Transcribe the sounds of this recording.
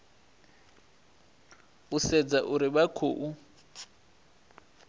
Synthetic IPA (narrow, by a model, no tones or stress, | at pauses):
usɛd͡zaʔuɾibakʰoːʔu